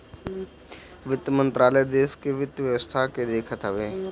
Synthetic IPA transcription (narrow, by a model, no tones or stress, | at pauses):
ʋɪt̪jəmə̃nt̪ɾaːləjd̪eːskeʋɪt̪jʋjəʋəst̪ʰaked̪eːkʰət̪ɦəʋeː